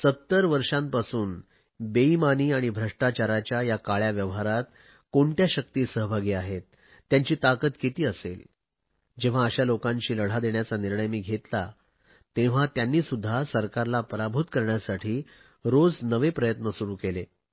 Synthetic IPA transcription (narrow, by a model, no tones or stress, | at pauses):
sət̪ːəɾʋəɾʂãmpasuːn | beimaniːaɽ̃ibʱɾəʂʈat͡ɕaɾat͡ɕjajakaɭjaʋjəʋɦaɾat̪̚ | koɳʈjaɕək̚t̪iːsəɦəbʱaɡiːaɦet̪ː | jaɲt͡ɕiːt̪akət̪kit̪iːəsel | d͡ʑeʋ̤aəɕalokãɲt͡ɕiːləɽ̤ad̪eɳjat͡saniɾɳəjmiːɡʱet̪la | t̪ẽʋ̤at̪janːiːsud̪ʱːasəɾkaɾlapəɾabʱut̪kəɾɳjasaʈʰiː | ɾod͡znəʋepɾəjət̪nəsuɾuːkele